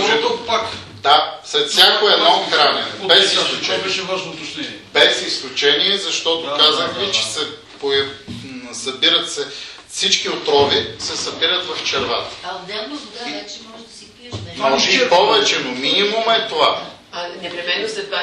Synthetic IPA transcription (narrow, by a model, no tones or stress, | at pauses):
ʒɛt̪okpak | d̪asɾɛt̪fsʲjakoɛd̪nɔxɾanɛbɛsisʊt͡ʃɛbɛʃɛvaʒnoːt̪ɐt͡ʃnɛnbɛsisklʊt͡ʃɛniɛzɐʃt̪ɔt̪okazəxlit͡ʃɛ̥sɛ | poɛ | sɐbiɾət̪sɛfsit͡ʃkiot̪ɾɔvisɛsɐbiɾət̪vɐft͡ʃɛɾva̰t̪ə̥d̪ɛlˠnd̪t͡ʃɛmɔʒd̪ɐiimɔʒɛʃɛpɔvɛt͡ʃɛnominimumɛt̪ova | ɐnɛpɾimɛnːoslɛt̪va